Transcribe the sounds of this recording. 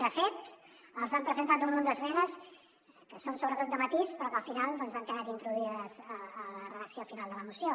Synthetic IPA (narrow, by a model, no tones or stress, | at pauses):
d̪əfet̪əlˠzampɾəzənt̪at̪umlond̪əzβɛnəs | kəsonsoβɾət̪ot̪̚əmət̪ispɾɔkəlˠfinalˠd̪ɔnzaŋkəðat̪int̪ɾuðiəzəələrəðəksiofinalˠd̪ələmusio